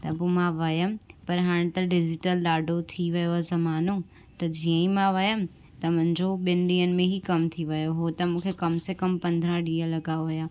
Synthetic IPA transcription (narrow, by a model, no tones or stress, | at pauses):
t̪ɐpomãʋɐjəmpɐɾɦaːɽ̃t̪ɐɖɪd͡ʑɪʈəlɗaːɖʱot̪ʰiʋɐjozɐmaːno | t̪ɐd͡ʑiə̃imãʋɐjəmɪ̆ | t̪ɐmʊ̃ɦɪ̃ɲd͡ʑʱoɓɪnɗiːənɪ̆mẽɦikɐmt̪ʰiʋɐjoɦot̪ɐmũːkʰekɐmsekɐmpɐ̃nd̪ʱɾãɗiːə̃lɐɡaːoʋɐjaː